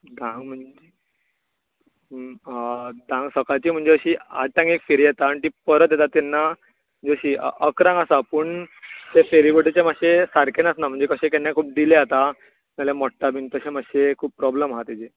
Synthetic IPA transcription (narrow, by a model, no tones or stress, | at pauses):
d̪ʱãŋɡm̤əɳe | d̪ãŋɡsəkajt͡ɕiːm̤əɳd͡zeəɕiːa̰t̪ãŋɡekfeɾijɛt̪aɳt̪iːpəɾət̪jɛt̪at̪ːɛnːa | m̤əɳd͡zeəɕiːə̰əkɾãŋɡasapəɳt̪efeɾiʋəʈit͡ɕemaɕesaɾkenasnam̤əɳd͡zekəɕẽkenːjakʰuːp̚d̪ileat̪a | malemɔʈːabʱint̪əɕemaɕekʰuːb̚pɾɔbləmɦat̪id͡ʑe